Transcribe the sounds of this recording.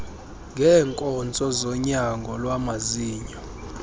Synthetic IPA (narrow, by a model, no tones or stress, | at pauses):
ŋɡʱɛːŋkʼɔnt͡sʼɔzɔɲaŋɡʱɔlwamaziːɲɔ